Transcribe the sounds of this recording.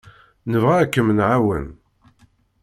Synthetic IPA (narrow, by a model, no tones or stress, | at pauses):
nəvʁakːəmənʕawə̰n